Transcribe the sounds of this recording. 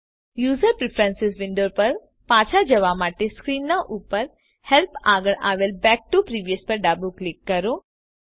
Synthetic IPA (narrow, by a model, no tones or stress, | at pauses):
juːzəɾpɾɪpʰɾɛ̃nsɪsʋɪ̃ɳɖoːɾpɐɾ | paːt͡ʃʰad͡ʒɐʋaːmaːʈeskɾiːnːãʔuːpəɾ | hɛlpaːɡəɭa̰ːʋelbɛːk̚ʈupɾiːʋijəspɐɾɖaːbuklɪkːɐɾoː